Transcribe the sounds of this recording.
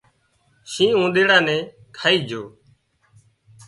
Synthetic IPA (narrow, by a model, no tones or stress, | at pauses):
ʃĩːũːɗ̪eːɽãːnɛ̃ː | kʰaːiːd͡ʒʱoː